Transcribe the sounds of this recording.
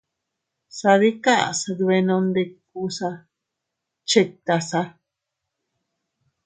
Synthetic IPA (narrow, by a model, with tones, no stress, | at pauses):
sa˧ði˦ka˦ʔa̰˨sa˧dβe˧nõ˧nd̪e˧ku˧sa˧ | t͡ʃe˧k̚t̪a˧sa˧